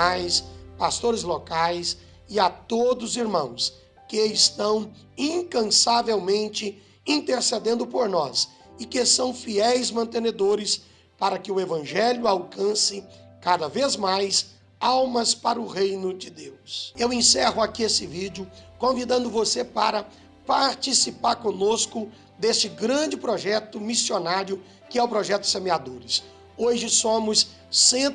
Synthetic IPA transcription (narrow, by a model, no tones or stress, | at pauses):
ajspast̪oɾɪzlokajs | ɪat̪od̪ʊziɾmɐ̃w̃s | kɪɪst̪ɐ̃w̃ | ĩŋkɐ̃savewmẽnt͡ʃɪ | ĩnt̪eɾsed̪ẽnd̪ʊpoɾnɔs | ɪkɪsɐ̃w̃fiɛjzmɐ̃nt̪ẽned̪oɾɪs | paɾɐkɪʊevɐ̃ʒɛljʊawkɐ̃sɪkad̪ɐvezmajs | awmɐspaɾɐʊʁejnʊd͡ʒɪd̪ewsewẽsɛɦʊakiesɪvid͡ʒʊkõvid̪ɐ̃nd̪ʊvosepa̰ɾɐ | paɾt͡ʃisipaɾkõnoskʊ | d̪est͡ʃɪɡɾɐ̃d͡ʒɪpɾɔʒɛt̪ʊmisionaɾjʊ | kɪɛʊpɾɔʒɛt̪ʊ̥semead̪oɾɪs | oʒɪsõmʊsː | ẽ